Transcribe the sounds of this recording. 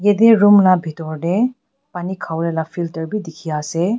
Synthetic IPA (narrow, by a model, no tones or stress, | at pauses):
jed̪iɾumlabʱit̪oɾne | panikʰawɾelafʰiltəɾbid̪ikʰiase